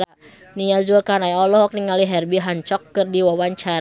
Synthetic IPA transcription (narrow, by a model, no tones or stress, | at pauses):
nijazuakanajɔlɔɦɔk̚niŋaliɦɛrbiɦaɲt͡ʃɔkːɨrdiwawaɲt͡ʃaɾa